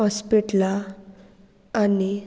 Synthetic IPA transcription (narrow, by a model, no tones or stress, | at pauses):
ɔspiʈla | ni